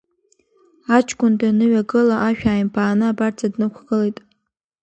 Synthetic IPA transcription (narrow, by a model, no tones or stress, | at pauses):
at͡ʃʰʼkʷʰʼʊndanɨɥaɡɨlaʔaʃᶣaːjmpʰaːnɨabart͡sʰadnɨkʷʰɡɨlejtʼ